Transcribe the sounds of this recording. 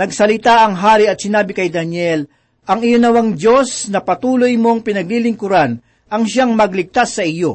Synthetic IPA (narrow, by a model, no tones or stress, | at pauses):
nɐɡsɐlɪt̪aʔɐŋɦaːɾɪɐt̪̚sɪnaːbɪkɐjd̪ɐnjɛl | ʔɐŋɪjonɐwaŋd͡ʒo̞snɐpɐt̪uːlojmo̞ŋpɪnɐɡ̚lilɪŋkʊɾan | ʔɐŋʃaŋmɐɡlɪɡ̚t̪asːɐʔɪjo̞